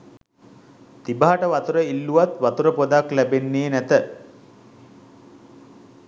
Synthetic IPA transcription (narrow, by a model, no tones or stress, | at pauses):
t̪ibaɦaʈəʋat̪uɾəilːuʋat̪ʋat̪uɾəpod̪aklæbenːeːnæt̪ə